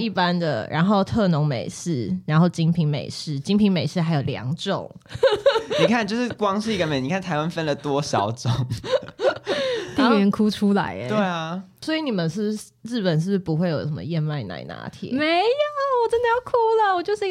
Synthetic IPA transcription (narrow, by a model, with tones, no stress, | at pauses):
i˥˩pa˦nd̪ə̰˨ɻʔa̰˧˥nxo˥˧ʊt̪ʰɤ˥˩nʊ˧˥ŋmḛ˨˩ɪʂɻ̩˥˩ɻa˧˥nxo˥˩ʊt͡ɕi˦˥ŋpʰi˧˥ŋmḛ˨˩ɪʂɻ̩˥˩t͡ɕi˥ŋpʰi˧˥ŋme˨˩ɪʂɻ̩˥˩xa˧ɪjo˨˩ʊljɑ̰˧˦ŋʈ͡ʂʊ̰˨˩ŋ | ni˨˩kʰa˥˨nt͡ɕjo˥˧ʊʂɻ̩˥˩kwɑ˥ŋʂɻ̩˥˩i˧ɡə˧me˨˦ɪni˨˩kʰa˥˩nt̪ʰa˧ɪwa˦nfə˦˥nlə˨t̪wɔ˦ɕjɑ̰˨˩ʊʈ͡ʂʊ˨˩ŋ | t̪i˥˩mɛ˧˩nkʰu˦t͡ʃʰu˥la̰˧˦ɪ˦we˥˩ɪɐ˩swɔ˧˥i˨˧˦ni˨˩mə˨nʂɻ̩˥˩b | ɻ̩˥˩pə˨˩nʂɻ̩˥˩b̩˥˩pu˧˥xwe˥˩ɪjo˨˩ʊʂə˦mə̰˧jɛ˥˧nma˥˩ɪna̰˥˧˩ɪna̰˧˥t̪ʰḭ˨˦me˨˧˦ɪo˨˩wɔ˨˩ʈ͡ʂə˥nd̪ə˨jɑ˥˩ʊkʰu˥lə˨wɔ˨˩t͡ɕjo˥˧ʊʂɻ̩˥˧i˥